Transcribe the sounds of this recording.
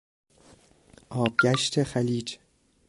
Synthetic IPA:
ʔɒːb̥̚ɟæʃt̪ʰexæliːd͡ʒ

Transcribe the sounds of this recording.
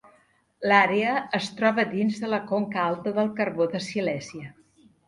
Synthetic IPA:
laɾeəəst̪ɾɔβəd̪inzðələkoŋkəalˠt̪əðəlˠkərβoðəsilɛziə

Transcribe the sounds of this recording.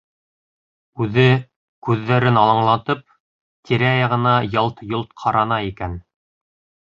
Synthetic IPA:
ʉðɘ | kʉðːæɾɘnɑlˠɑɴlˠɑt̪ɤp̚ | t̪ʰiɾæjɑʁɤ̆nɑjɑlˠt̪jolˠt̪̚qʰɑɾɑnɑikæn

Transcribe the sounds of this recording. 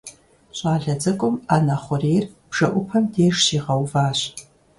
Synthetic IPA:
ɕʼaːɮɐd͡zɐkʷʼʊmaːnɐχʷʊreːrb̥ʐ̥ɐʔʷʊpʰɐmdeːʂʃiːʁɐwvaːɕ

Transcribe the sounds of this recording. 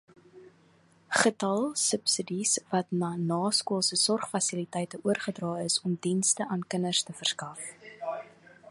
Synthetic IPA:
χətɐlˠsəpsədisvɐtnɑːnɑːskuəlˠsəsɔrχfɐsilitɛjtəʔuərχədrɑːəsɔmdinstəʔɑnkənərstəfərskɐf

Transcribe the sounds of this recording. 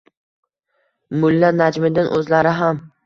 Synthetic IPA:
mʊlːanad͡ʒmɪd̪ɪnʔɵzlaɾɪɦam

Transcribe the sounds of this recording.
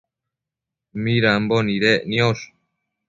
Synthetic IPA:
miɾamboniɾeʔnios

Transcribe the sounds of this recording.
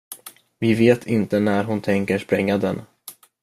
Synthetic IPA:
vɪveːt̪ʰɪnt̪ənæɾɦʊnt̪ʰɛŋkəʂpɾɛŋːad̪ɛ̰n

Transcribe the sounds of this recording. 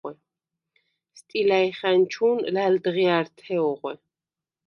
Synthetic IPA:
ɛ | st̪ʼilajχant͡ʃʰunlald̪ʁiaɾt̪ʰɛʁʷɛ

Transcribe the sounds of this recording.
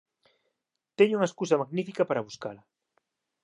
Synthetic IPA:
t̪eɲʊuŋɐeskusɐmaɣnifikɐpaɾɐβuskalɐ

